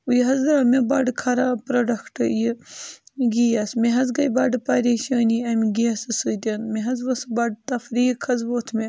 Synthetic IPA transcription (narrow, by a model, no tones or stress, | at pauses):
ujɦɐzɾaːmebɐɖkʰɐɾapɾoɖɐkʰʈɨji | ɡijɐsmeɦɐzɡɐjbɐɖpɐɾʲeʃɐːniɐmiɡiɐsɨsɨd̪ʲɐnmeɦɐzʋɐsbɐɖ̚t̪ɐfɾiːkʰɐzʋoːt̪ʰme